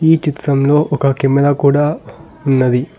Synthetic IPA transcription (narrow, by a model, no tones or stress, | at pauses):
iːt͡ʃit̪ɾɐmlo̞ːʔɔkɐkimɐlɐkuːɽaː | unːɐd̪i